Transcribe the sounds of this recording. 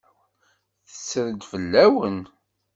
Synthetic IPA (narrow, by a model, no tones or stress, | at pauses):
θə̥sːɾəd̪fəlːæwən